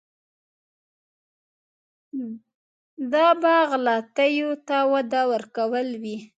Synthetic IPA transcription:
d̪ɑbɑɣlɑt̪əjot̪awad̪awəɾkawəlwi

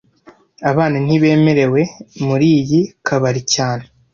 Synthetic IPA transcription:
aβaːnan̥iβe̞ːme̞ɾe̞we̞muɾiːjikʰaβaɾicaːne

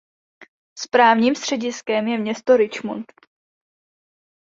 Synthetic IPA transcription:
spɾaːvɲiːmst̪r̝̥ɛɟɪskɛmjɛmɲɛst̪oɾɪt͡ʃmo̰nt̪

